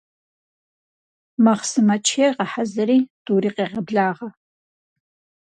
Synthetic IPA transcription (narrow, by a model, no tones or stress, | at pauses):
mɐχsɨmɐt͡ʃʰeʁɐħazɐɾiːd̥uːɾiːqeːʁɐbɮaːʁɐ